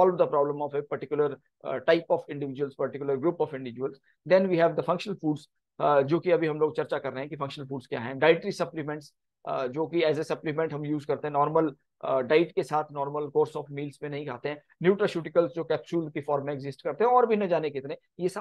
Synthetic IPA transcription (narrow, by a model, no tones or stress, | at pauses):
ɔːlʋd̪ɐpɾɔːblə̃mɔːfepɐɾʈɪkjʊləɾ | ʈaɪpɔːfɪ̃ɳɖɪʋɪd͡ʒʊwəlspɐɾʈɪkjʊləɾɡɾuːpɔːfɪ̃ɳɖɪʋɪd͡ʒʊʋəlz | d̪ɛ̃nʋiːɦɛːʋd̪əfɐ̃ŋkʃənəlfuːɖz | d͡ʒoːkiɐbʱiɦɐ̃mloːɡ̚t͡ʃɐɾt͡ʃakɐɾːəɦɛ̃kifɐ̃ŋkʃənəlfuːɖskjaːɦɛ̃ɖaːɪʈɾisɐplimɛ̃ɳʈs | d͡ʒoːkiɛːzesɐplɪmɛ̃ɳʈɦɐ̃mjuːzkɐɾt̪eɦɛ̃nɔːɾməl | ɖaːɪʈkesaːt̪ʰnɔːɾməlkoːɾsɔːfmiːlsmẽnɐɦĩkʰaːt̪eɦɛ̃ | njuːʈɾaʃuːʈɪkəlsd͡ʒoːkɛːpsuːlkifɔːɾmːẽːɡzɪsʈ̚kɐɾt̪eɦɛ̃ɔːɾbʱinɐd͡ʒaːnekɪt̪ne | jesa